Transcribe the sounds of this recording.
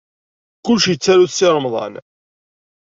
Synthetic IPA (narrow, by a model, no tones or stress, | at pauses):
kːuʃjət͡sːæɾuθsɪɾˤəmðˤɑ̰n